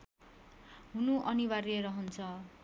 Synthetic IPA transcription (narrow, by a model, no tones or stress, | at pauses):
ɦunuʔʌnibareɾʌɦʌnt͡sʰʌ